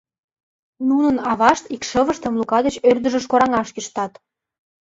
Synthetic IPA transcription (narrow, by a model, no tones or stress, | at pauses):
nunə̆nɑβɑʃt̪ikʃəβəʃt̪ə̆mlukɑd̪ət͡ɕørd̪ə̆ʒə̆ʃ̬koɾɑŋɑʃkiʃt̪ɑt̪